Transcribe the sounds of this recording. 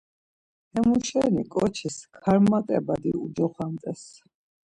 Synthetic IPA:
hɛmuʃɛnikʼɔt͡ʃʰiskʰaɾmːat̪ʼɛbad̪ḭud͡ʒɔχwamt̪ʼɛs

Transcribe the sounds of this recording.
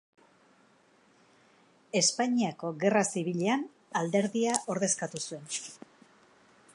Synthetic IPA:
e̞spaɲiako̞ɣe̞rasiβ̞iʎean | ald̪e̞ɾðiaʔo̞ɾðe̞skat̪usue̞n

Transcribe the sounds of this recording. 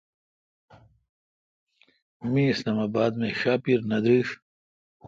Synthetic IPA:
mĩislaːmaːbaːd̪mẽɕaːpiɾnɐd̪ɾiːʂ

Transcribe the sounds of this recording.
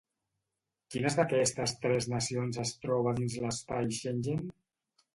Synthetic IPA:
kinəzðəkɛst̪əst̪ɾɛznəsionzəst̪ɾɔβ̞əðinzləspajʃenʲʒen

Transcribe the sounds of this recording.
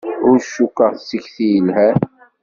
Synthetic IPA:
ʊɾʃːukːəʁθsːiçθijəlhæ

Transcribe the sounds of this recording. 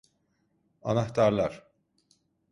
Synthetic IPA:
a̰naxt̪ʰaɾlˠaɾ̥

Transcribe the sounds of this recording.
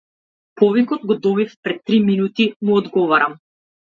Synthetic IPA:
pɔvikɔd̪̚ɡɔd̪ɔbifpɾɛt̪ːɾiminut̪imuɔd̪ɡɔvaɾam

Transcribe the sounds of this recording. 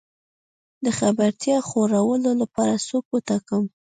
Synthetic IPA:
d̪əxabaɾt̪jɑxoɾawəlolapɑɾasokwət̪akəm

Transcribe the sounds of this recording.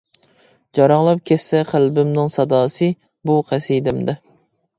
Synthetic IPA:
d͡ʒɑɾɑŋlˠɑp̚kʲʰɛsːɛqʰælbɪmnɪŋsɑd̪ɑːsɨ | buqʰæsid̪ɪmd̪ɛ

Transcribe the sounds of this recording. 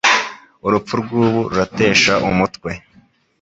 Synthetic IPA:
uɾup͡fuɾɡuːβuɾuɾate̞ːʃaʔumutkwe̞

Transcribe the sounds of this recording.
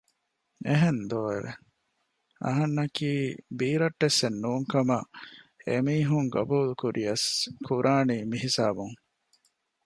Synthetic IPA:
eɦend̪oːḛɾe | ɐ̰ɦɐnːɐkiːbiːɾɐʈːesːenːuːŋkɐmɐ | emiːɦuŋɡɐ̰buːlukuɾʔijɐskʰuɾʔaːniːmiɦisaːbuŋ

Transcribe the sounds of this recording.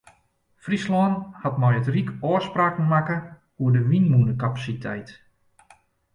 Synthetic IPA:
frislɔnhatmɔjətrikɔəspraːknmakə | uədəʋinmunəkapasitʰɛjt

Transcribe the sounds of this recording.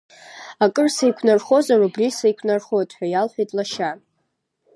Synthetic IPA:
akʼɨrsejkʷʰnarχo̞zarubrisejkʷʰnarχotʼħᶣajalħᶣejtʼlaʃa

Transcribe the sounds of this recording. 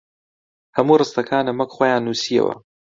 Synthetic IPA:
hɐmuːrɨst̪ɐkʰaːnɐmɐkχoːjaːnːuːsiɐ̰wɐ̰

